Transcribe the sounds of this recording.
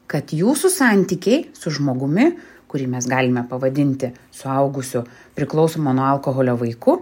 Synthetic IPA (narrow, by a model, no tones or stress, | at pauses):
kɐt̪juːsʊsɑːˑnʲt̪ʲikʲɛɪsʊʒmoːɡʊmʲɪ | kʊɾʲiːmʲɛsɡɑːlʲɪmʲɛpɐʋɐd̪ʲɪnʲt̪ʲɪsʊɐʊɡʊsʲʊ | pʲɾʲɪklˠɒʊsoːmonuɔɐlˠkoɣoːlʲoːʋɐɪkʊ